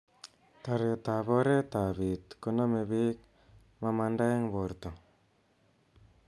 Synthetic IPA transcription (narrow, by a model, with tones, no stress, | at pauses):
t̪a˨ɾe˨ta˨βɔ˦ɾe˦t̪a˨βi˨t̪ko˦na˦me˨βi˦k̚ | ma˦ma˧nda˦e˦ŋbo˨ɾt̪o˨